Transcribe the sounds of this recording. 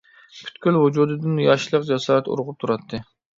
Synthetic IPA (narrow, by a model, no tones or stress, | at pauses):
pʰy̥t̪kʲylvud͡ʒuːd̪ɨd̪ɨnjɑʃlˠəqd͡ʒɛsɑːɾɛt̪ṵɾʁʊp̚t̪ʰuɾɑt̪ʰːɨ